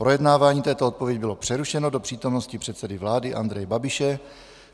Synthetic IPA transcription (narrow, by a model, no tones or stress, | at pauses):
pɾo̞jɛdnaːvaːɲiːt̪ɛːt̪oot̪̚povjɛɟɪbɪlo̞pr̥ɛɾuʃɛnodo̞pr̥iːt̪o̞mnoscɪpr̥ɛt̪sɛdɪvlaːdɪʔa̰nd̪ɾɛjɛbabɪʃɛ